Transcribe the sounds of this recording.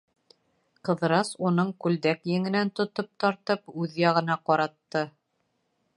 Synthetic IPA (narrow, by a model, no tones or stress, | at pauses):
qɤ̆ð̆ɾɑsunɤɴkʉld̪ækjɘ̆ŋɘ̆nænt̪ŏt̪op̚t̪ɑɾt̪ɤpʉðjɑʁɤ̆n̪ɑqɒɾɑt̪ːɤ